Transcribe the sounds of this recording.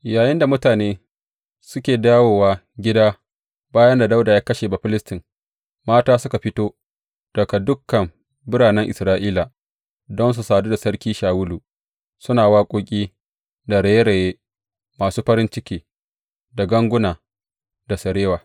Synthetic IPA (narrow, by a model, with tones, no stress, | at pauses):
jaː˨jɪ˦nda˨mʊ˦taː˨neː˦ | sʊ˦kʲeː˨daː˦woː˨waː˦ | ɡʲɪ˦daː˦ | baː˦jɐ˦nda˨da˦wda˨jaː˦kɐ˦ʃeː˨ba˨ɸɪ˦lɪ˦stɪ˨ŋ | maː˦taː˦sʊ˦ka˨ɸɪ˦toː˦ | d̥ɐ˨ka˨dʊ˦kːɐ˨m | bɪ˦ɽaː˨nɛ˦ŋʔɪ˨sɾaː˦ʔiː˦la˨ | dɔ˦ns̬u˨saː˨duː˦da˨sɐ˦ɽkʲiː˦ʃaː˨wʊ˦luː˨ | sʊ˦naː˨waː˦kʷʼoː˦kʲʼiː˦ | da˨ɽɐ˨je˦ɾɐ˨jeː˦ | maː˨suː˦ɸɐ˦ɾɪ˦nt͡ʃɪ˦kʲiː˦ | da˨ɡɐ˦ŋɡʷʊ˦naː˨ | da˨sɐ˨ɾeː˦waː˨